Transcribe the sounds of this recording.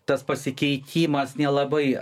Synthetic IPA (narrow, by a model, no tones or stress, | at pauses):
t̪ɐspɐsʲɪkʲɛɪt̪ʲiːmɐsnʲɛlˠɐbɐɪ